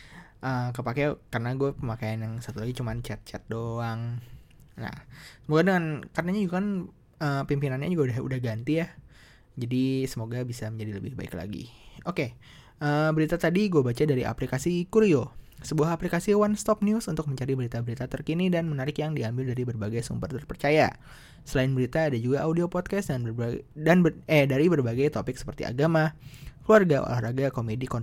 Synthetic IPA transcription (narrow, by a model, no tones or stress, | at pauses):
ʔəːkəpakɛkaɾənaɡuapəmakajanjaŋsat̪ulaɡit͡ʃumant͡ʃɛt̪̚t͡ʃɛ̰t̪̚doaŋ | na̰hsəmoɡadəŋankarənaɲad͡ʒuɡakan | əːpimpinanɲa̰d͡ʒuɡaudahṵdahɡant̪ijah | d͡ʒadisəmoɡabisaməɲd͡ʒadiləbɪhba̰ɪ̰kla̰ɡḭoke | ʔəːbəɾit̪at̪adiɡuabat͡ʃadaɾiʔa̰plikasikuɾiosəbuahɦaplikasiwanst̪ɔp̚niʊsunt̪ʊk̚məɲt͡ʃaɾibəɾit̪abəɾit̪at̪ərkinidanmənaɾɪkjaŋdiambɪldaɾibərbaɡajsṵmbərt̪ərpərt͡ʃaja̰ | səlaɪnbəɾit̪aːdad͡ʒuɡaʔaudiopɔt̪̚kasdanbdanbɛdaɾibərbaɡajt̪opɪk̚sə̥pərt̪ḭa̰ɡamakəluarɡawa̰la̰hɾaɡakomedikɔn